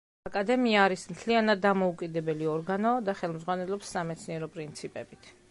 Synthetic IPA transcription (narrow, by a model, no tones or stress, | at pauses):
akʼad̪ɛmiaːɾismt̪ʰlianad̪ːamɔukʼid̪ɛbɛliɔɾɡanɔd̪aχɛlˠmzʁwanɛlˠɔpsːamɛt̪sʰniɛɾɔpʼɾint̪sʰipʼɛbit̪ʰ